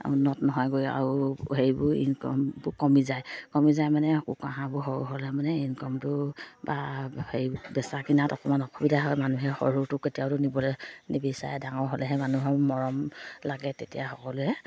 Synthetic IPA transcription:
ṵnːɔtnɔɦɔjɡoja̰ɹuheɹbʊɹḭnkɔ̰mbʊkɔmizajkɔmizajmanɛkṵkãɦãbʊɦɔɹṵɦolɛmanɛinkɔmtʊbaheɹbɛsakinatɔkɔmanɔkʰɔbidaɦɔjmanuɦɛxɔ̰ɹutʊketijaʊtʊnibɔlɛnibisa̰jɛdaŋɔɹɦolɛɦɛmanuɦɔːɔɹɔmlaɡɛtetijaxɔkɔlʊɛ

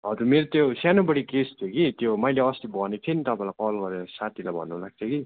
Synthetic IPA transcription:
ɦʌd͡zurmeɾot̪josanobʌɽikest̪ʰjoɡit̪jomʌjleʌst̪ibʱʌnet̪ʰinit̪ʌpãĩlajkʌlɡʌɾeɾʌsat̪ʰilajbʱʌ̰nːulaɡ̚t͡sʰʌɡi

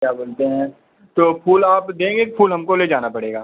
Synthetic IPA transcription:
kjaːboːlt̪eɦɛ̃ː | t̪oːpʰuːlaːpd̪ẽːɡekpʰuːlɦɐmkoled͡ʒaːnapɐɽeːɡaː

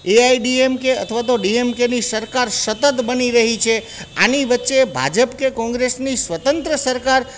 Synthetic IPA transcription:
eaiɖiemkeət̪ʰʋat̪oɖiemkenisəɾkaɾsət̪ət̪bəniɾəɦit͡ʃʰe | aniʋətːʃebʱa̰d͡ʒəpkekɔ̃ŋɡɾesnisʋət̪ənt̪ɾəsəɾkaɾ

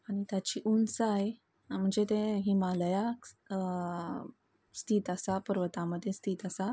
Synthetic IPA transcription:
añit̪jat͡ɕiːʔunsaj | m̤əɳd͡zet̪ẽɦimaləjak | st̪ʰiːt̪əsapəɾʋət̪aməd̪ʱːjest̪ʰiːt̪əsa

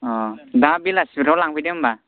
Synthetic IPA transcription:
ɔdabilasbiɾawlaŋpʰidɛmba

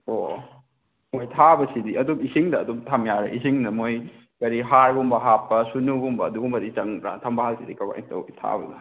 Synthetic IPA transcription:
o | mojtʰabɐsidiɐdumisiŋdɐːdumtʰamjaɾḛʔisiŋnɐmoj | kɐɾiɦaɾɡumbɐɦapːɐsunuɡumbɐːduɡumbɐdit͡ʃɐŋɾa̰tʰɐmbahalsidikɐka̰ḭtɐ̰wtʰa̰bɐ̰nɐ

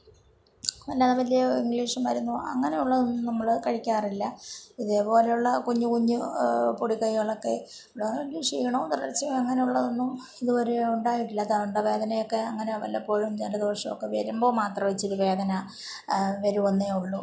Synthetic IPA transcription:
mɐnːeɐðɐmɐlːioiŋɡɭiːʂɨmɐɾunːuɐ̰ŋːɐne̞juɭːɐðonːumnɐmːɐɭɨkɐɻikʲːaːrilːɐiðe̞ːpo̞ːlejuɭːɐkuɲːukuɲːupoɽikɐjuɭokːe̞̰ | ɽiŋɡliːʂḭjɐɳot̪rɐrɐt͡ɕːiɐŋːɐne̞juɭːɐðonːum | iðuʋɐɾeuɳɖaːjiʈːilːɐt̪auɳɖɐʋe̞ːd̪ɐnɐjo̞kːe̞ɐŋːɐneʋɐ̰lːɐpːo̞ːɻumd͡ʑenɖɐðiʋɐrʂɐmokːe̞ʋeːɾumbo̞ːmaːt̪rɐmʋɐt͡ɕːiɾuʋe̞ːd̪ɐnɐ | ʋɐɾuʋɐnːeuɭːu

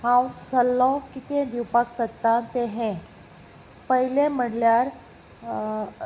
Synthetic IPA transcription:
hãwsəlːɔ̃kit̪ẽd̪iwpaksət̪ːat̪ẽɦẽ | pəɦilẽm̤əɽljaɾ

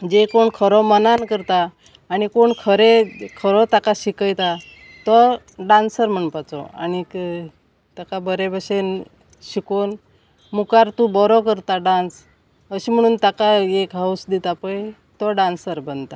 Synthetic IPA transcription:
d͡ʑekoɳkʰəɾɔmənankəɾt̪aː | ɽ̃ikoɳkʰəɾekʰəɾɔt̪akaɕikəjt̪a | t̪ɔ | ɖãnsəɾm̤əɳpat͡sɔ̰a̰ñik | t̪akabəɾebəɕen | ɕikon | mukaɾt̪ubɔɾɔkəɾt̪aɖãns | əɕim̤əɽ̃uːnt̪akaekɦawsd̪it̪apəj | t̪ɔɖãnsəɾbənt̪a

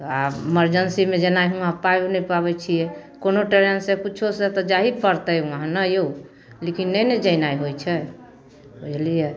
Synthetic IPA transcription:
aeməɾd͡ʒənsimed͡ʒənajɦũɦãpajonəjpaβɛt͡ʃʰijɛkonoʈeɾensekut͡ʃʰoset̪ɔd͡ʒaɦipəɾt̪əjũɦãnəjou | lekinːɛjnəd͡ʒəjnajɦojt͡ʃʰɛ | bəd͡ʒlijɛ

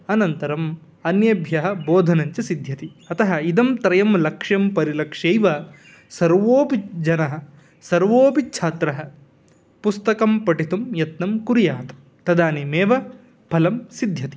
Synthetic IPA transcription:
ɐnɐnt̪ɐɾɐm | ɐnjɐbʱjɐɦɐboːd̪ʱɐnɐɲt͡ʃɐsid̪ʱjɐt̪iɐt̪ɐɦɐid̪ɐmt̪ɾɐjɐmlɐkʂjɐmpɐɾilɐkʂejʋɐ | sɐɾʋoːpid͡ʒɐnɐɦɐ̆ | sɐɾʋoːpitːt͡ʃʰaːt̪ɾɐɦɐ̆ | pust̪ɐkɐmpɐʈit̪umjɐt̪nɐmkuɾjaːt̪ɐ̥m | t̪ɐd̪aːnimeːʋɐ | pɐlɐmsid̪ʱjɐt̪i̥

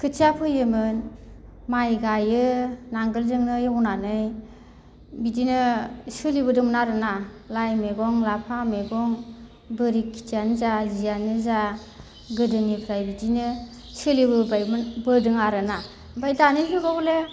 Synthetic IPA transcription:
kʰɯtʰiapʰɯjɯmɯn | majɡajɯnaŋɡɯlzɯŋnɯjɔwnanɯj | bidinɯsɯlibɯdɯmnaɾɯnalajmeɡɔŋlapʰameɡɔŋ | bɯɾikʰːi̥tʰianɯzazijanɯza | ɡɯdɯnipʰɾajbidinɯ | sɯlibɯbajbɯdɯŋaɾɯna | bajdanɯɦɯɡɔɡle

